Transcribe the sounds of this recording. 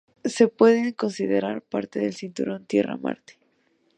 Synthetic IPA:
se̞pwe̞ðe̞ŋko̞nsiðeɾaɾpaɾt̪e̞ðe̞lsint̪uɾo̞nt̪je̞ra̰ma̰ɾt̪e̥

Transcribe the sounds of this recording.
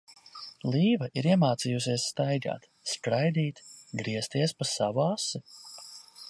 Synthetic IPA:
lˠiːvaʔiɾiɛmaːt̪siːjus̬iɛsːt̪ajɡa̰ːt̪ | skɾajd̪iːt̪ɡɾiɛst̪iɛspasavuasu

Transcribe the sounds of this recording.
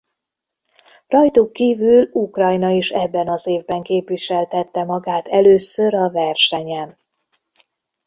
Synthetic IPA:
rɒjt̪ukːiːvylukrɒjnɒiʃɛbːɛnɒzeːvbɛŋkeːpʋiʃɛlt̪ɛt̪ːɛmɒɡaːt̪ɛløːsø̞ɾɒvɛrʃɛɲɛn

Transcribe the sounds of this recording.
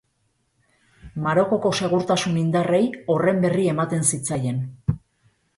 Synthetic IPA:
maɾo̞ko̞ko̞se̞ɣ̞uɾt̪asunind̪are̞jo̞re̞mbe̞rie̞mat̪e̞nsit͡saje̞n

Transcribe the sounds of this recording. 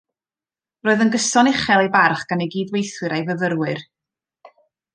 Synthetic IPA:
roːɨðənɡəsɔnɪχɛlˠejbarχɡ̥aneɡiːdwejθwɨɾajvəðəɾwɨr

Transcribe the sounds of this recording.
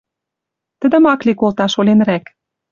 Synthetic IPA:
t̪ə̆d̪ə̆mɑklʲikolt̪ɑʃolʲenræk

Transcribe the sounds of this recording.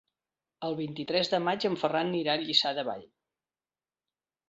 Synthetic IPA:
əlˠβint̪it̪ɾɛzðəmad͡ʒəɱfəranːiɾaʎisaðəβa̰ʎ

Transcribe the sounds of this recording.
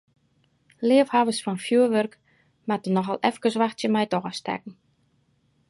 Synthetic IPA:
lɪəfhavəsfɔnfjuəʋørk | matənɔxalˠʔɛfkəsʋaxtsjəmɛjtɔxastɛ̰kn̩

